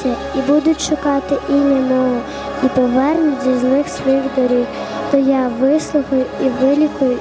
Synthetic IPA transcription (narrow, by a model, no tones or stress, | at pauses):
ɐ | ibud̪ʊtʲʃʊkɑt̪ɪʔinʲɐnɔɦɔ | ipɔʋɛrnʊzʲizlˠɪxsʋɔjiɣd̪ɔɾʲiw | t̪ɔjɑʋɪslˠʊxɐjʊiʋɪlʲikʊjʊ